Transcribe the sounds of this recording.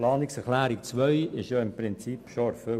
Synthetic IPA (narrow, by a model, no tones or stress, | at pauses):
lɑːnɪksɛɾχlæːɾik̚t͡sʋœʏɪʃjɑɪmpɾɪnt͡sipʃofø